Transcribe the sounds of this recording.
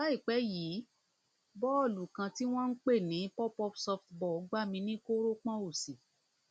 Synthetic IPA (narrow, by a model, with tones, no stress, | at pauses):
ba˦i˦˨k͡pɛ˨˦jiː˨˦ | bɔ˦ɔ˦˨lu˨kã˧ti˦w̃ɔ̃˦n̩˦k͡pe˦˨nĩ˨˦pɔ˦pɔ˦psɔ˦ftbɔ˦˨˦ɡ͡ba˦˨mĩ˧nĩ˦ko˦ɾo˦k͡pã˦o˦˨si˨